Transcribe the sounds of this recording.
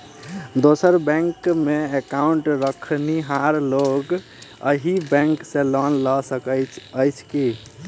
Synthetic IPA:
d̪osəɾbɛ̃ŋkmeekauɳʈɾəkʰniɦaɾloɡ | ə̰ɦibɛ̃ŋksẽlɔnləsəkət͡ʃəjt͡ʃʰki

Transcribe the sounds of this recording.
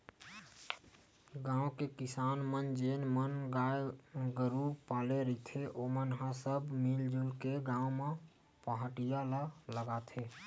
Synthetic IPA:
ɡãwkekisanmənd͡ʒenmənɡajɡəɾupaleɾit̪ʰeʔomənɦãsəbmild͡ʒulkeɡãũmẽ | pəɦəʈijalələɡat̪ʰe

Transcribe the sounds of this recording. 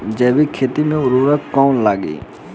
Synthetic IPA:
d͡ʒɛːʋikʰeːt̪imẽʊɾuːɾəkkɔːnlaːɡḭː

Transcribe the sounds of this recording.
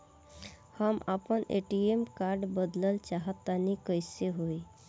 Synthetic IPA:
həmapənʔḛʈiemkaɾɖbəd̪ləlt͡ʃaɦət̪ːanikəjseɦoj

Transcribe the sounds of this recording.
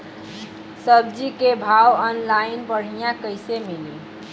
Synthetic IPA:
sʌb̚d͡ʒikebʱawənlajnpəɽ̤ijãkəjsemilḭ

